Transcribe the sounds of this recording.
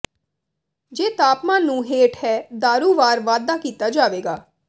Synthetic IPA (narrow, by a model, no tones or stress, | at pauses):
d͡ʒeːt̪aːpmãːnũːɦeːʈhɛːd̪aːɾuːʋaːɾʋaːd̪aːkiːt̪aːd͡ʒaːʋeːɡaː